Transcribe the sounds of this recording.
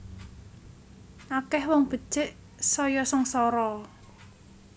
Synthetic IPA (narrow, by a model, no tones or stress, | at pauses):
ʔakɛhwɔŋb̥ə̤̥t͡ʃɪʔ | sɔjɔsɔŋsɔɾɔ